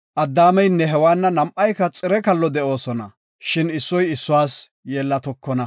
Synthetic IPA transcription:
ʔɐd̪ːaːmɛjnːɛɦɛwaːnːɐnɐmʔɐjkːɐt͡sʼɪɾɛkɐlːɔd̪ɛʔo̞ːsɔnɐ̰ | ʃɪnɪsːɔjɪsːʊwaːs | jeːlːɐt̪ɔkːɔnɐ

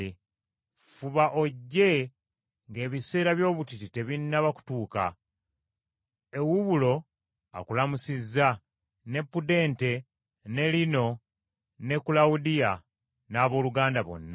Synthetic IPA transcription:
fuβaʔoɟːe̞ | ŋɡe̞ːβise̞ːɾaβjo̞ːβutitite̞βinːaβaku̥tuːka̰ | e̞wuβulo̞ | a̰kulamusizːa | ne̞pːude̞ːnte | ne̞lino̞ | ne̞kulawudija | naːβo̞ːluɡaːndaβo̞̰nːa

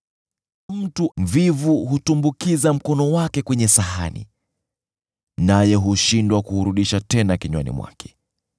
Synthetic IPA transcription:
m̩tuvivuɦutumbukizam̩kɔnɔwakɛkwɛɲɛsaɦanḭ | najɛɦuʃindwakuɾuɗiʃatɛnakiɲwa̰nḭmwa̰kʰɛ̥

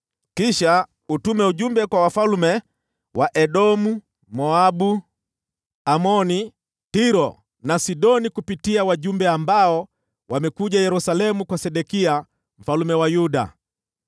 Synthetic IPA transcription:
kiʃa | utumɛuʄumbɛkwawafalumɛ | wʔaʔɛɗɔmu | mɔabu | amɔni | tiɾɔ | nasiɗɔnikupitiawaʄumbɛambaɔ | wamɛkuʄajɛɾusalɛmukwasɛɗɛkia | m̩falumɛwajuɗa̰

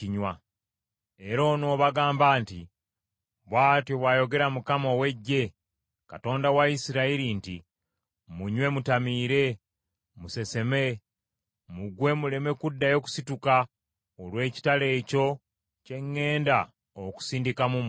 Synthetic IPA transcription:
iɲwa | e̞ɾo̞ːnoːβaɡaːmbaːnti | βwaːtjoβwajo̞ɡe̞ɾamukamowe̞ɟːe̞ | kato̞ːndawaisiɾaiɾinti | muɲwe̞mutamiːɾe̞ | muse̞se̞me̞ | muɡwe̞mule̞me̞kudːajo̞ku̥situka | olwe̞ːci̥tale̞ːco̞ | ce̞ŋːe̞ːnda | oku̥siːndikamum

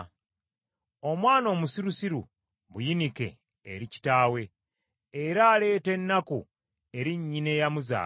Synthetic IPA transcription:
o̞mwaːno̞ːmusiɾusiɾṵ | βujinike̞̰ː | ɾici̥taːwe̞ː | ɾaːle̞ːte̞nːaku | e̞ɾiɲːine̞jamuza̰ː

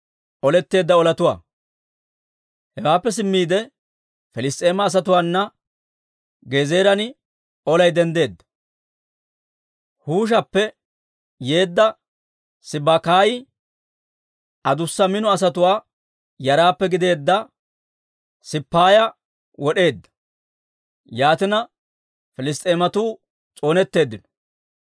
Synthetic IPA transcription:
ʔɔlɛt̪ːe̞ːd̪ːɐɔlɐt̪ʊwa̰ː | hɛwaːpːɛs̬ɪmːiːd̪ɛ | fɛlɪst̪ʼe̞ːmɐːs̬ɐt̪ʊwaːnːɐ | ɡeːze̞ːɾɐnɪ | ɔlɐjd̪ɛnd̪e̞ːd̪ːɐ̥ | huːʃ̬ɐpːɛ | je̞ːd̪ːɐ | sɪbakaːjɪ | ʔɐd̪ʊsːɐmɪnɔɐs̬ɐt̪ʊwaː | jɐɾaːpːɛɡɪd̪e̞ːd̪ːɐ | sɪpːaːjɐ | wɔɗe̞ːd̪ːɐ̥ | jaːt̪ɪnɐ | fɪlɪs̬t̪ʼeːmɐt̪uː | t͡sʼo̞ːnɛt̪ːe̞ːd̪ːɪnɔ̥

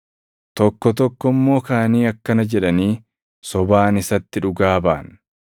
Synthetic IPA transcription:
t̪ɔkːɔt̪ɔkːɔmːo̞ːkaːniːɐkːɐnɐd͡ʒɛᶑɐniː | sɔbaːnɪsɐt̪ːɪᶑʊɡaːba̰ːn

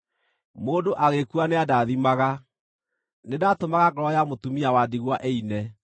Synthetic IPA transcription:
moːdoʔaɣekuaneadaðimaɣa | nedatomaɣaɡɔɾɔjamotumiawadiɣwaʔeinɛ

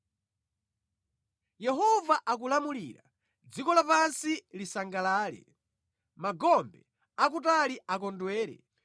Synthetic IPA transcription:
jɛɦɔvaʔakulamulḭːɾa̰ | d͡zikɔlapansilisaŋɡalaːlɛ̰ | maɡɔmbɛ | akutaliak̬ɔndwɛːɾɛ̰

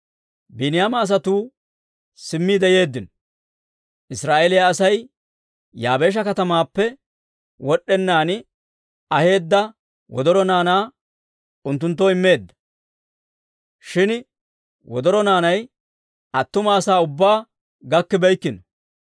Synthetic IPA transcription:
bɪnɪjaːmɐːs̬ɐt̪uː | sɪmːiːd̪ɛje̞ːd̪ːɪnɔ | ʔɪsɾaːʔelɪjaːsɐj | jaːbe̞ːʃ̬ɐkɐt̪ɐmaːpːɛ | wɔɗːɛnːaːnɪ | ɐhe̞ːd̪ːɐ | wɔ̰d̪ɔɾɔnaːnaː | ʊnt̪ːʊnt̪̬ːɔɪmːe̞ːd̪ːɐ̥ | ʃɪn | wɔd̪ɔɾɔnaːnɐj | ɐt̪ːʊmɐːsaːʊbːaː | ɡɐkːɪbɛjkːɪnɔ

